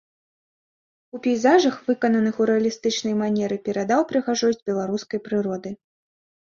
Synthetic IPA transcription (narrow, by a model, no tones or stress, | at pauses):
upʲijzaʐɐxvɨkɐnɐnɨxuɾɛɐlʲist̪ɨt͡ʂnɐjmanʲɛɾɨpʲɛɾad̪awpɾɨɣaʐɔzʲbʲɛlˠaɾuskɐjpɾɨɾɔd̪ɨ